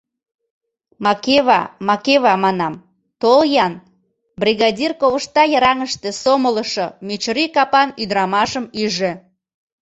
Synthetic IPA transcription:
mɑkeβɑ̰mɑkeβɑmɑnɑm | t̪oljɑn | brʲiɣɑdʲirkoβəʃt̪ɑjəɾɑŋəʃt̪ĕsomələʃomet͡ɕɾikɑpɑnyd̪ɾɑmɑʃəmyʒĕ

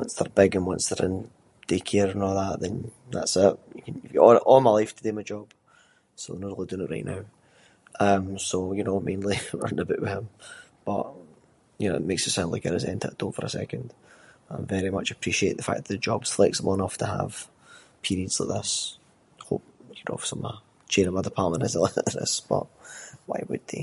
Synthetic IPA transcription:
wʌ̃nsðə˞bɪɡə̃nwʌ̃nsðə˞ʔɪ̃n | d̥ʰekʰeɹə̃nɔlˠðaʔðə̃nða̰tsɪʔjəkʰə̃nɪjəɔʔɔmaɪlˠaɪftʰədemaɪd͡ʒɔb̥ | sonoɾl̩ˠidə̃nəʔɹa̰ɪʔnaʊ | ʔʌ̃msojənomẽnlˠiwə̰ɹn̩əbɪ̰ʔwɪð̥ɪ̃mb̥ʌ̰ʔ | jɨno̰ʊɪ̰ʔmeksəsãʊ̃ndlaɪkə̰ɾə̰zɛ̰̃ntʰə̰ʔd̥õnfə̰˞ə̰sɛ̰kə̃nd̥ãɪ̃vɛɹimʌ̰t͡ʃəpʰɹ̥iʃieʔðəfa̰k̚ðəʔðəd͡ʒɔbz̥θlˠɛksə̃mɔ̃nɔftʰəə̰v̥ | pʰiɹiədzlˠa̰ʔ̚ðɪs | ho̰p̚jəno̰sʌ̃mə̰ | t͡ʃʰeɾə̃mʌðə˞pʰamə̃nɪzəlˠɪʔənə̰sb̥ʌ̰ʔwa̰ɪwə̰d̪̚ðḛ

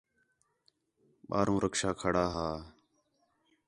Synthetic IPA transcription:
ɓaːɾũːɾʔəkʃaːkʰəɽaːɦaː

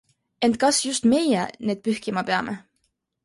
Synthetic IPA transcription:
e̞nt̪̚ˑkɑsjust̪me̞jɛ̰ne̞ːd̪̚pyhkimɑpe̞ɑmʔe

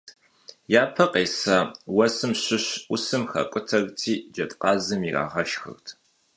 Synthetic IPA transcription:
jaːpʰɐqʼeːsaːwɐsɨmɕɪɕʊsɨmxɐ̰kʷʼʊtʰɐɣtʰiːd͡ʒɐtʼqɑːzɨmira̰ːʁɐʃxɨ̰rtʰ

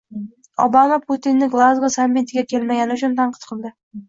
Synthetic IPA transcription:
ɒ̰bamapʰʊt̪inːɪɡlˠazʁasamːit̪ʰɪɡʲakʲʰe̞lmaɡʲanɪʊt͡ʃʰʊnt̪ʰanqʰɨ̥t̪qʰɨlˠd̪ɪ

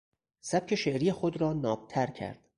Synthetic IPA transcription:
sæb̥̚cʰe̞ʃeʔɾijexod̪ɾɒːnɒːb̚t̪ʰæɾcʰæ̰ɾd̪̥

